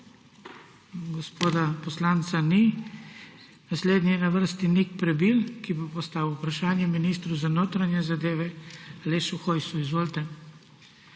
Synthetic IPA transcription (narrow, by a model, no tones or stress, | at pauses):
ɡɔspoːd̪apɔslaːnt̪sani | nasleːd̪niɛnaʋəɾst̪inikpɾɛbilkibopɔst̪aːwupɾaʃaːnjɛminist̪ɾuzanoːt̪ɾanjɛzad̪eːʋɛaleːʃuxojsuizʋoːlt̪ɛ